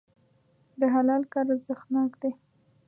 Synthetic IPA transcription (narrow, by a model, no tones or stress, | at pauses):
d̪əɦalɑlkɑɾazəxnɑkd̪e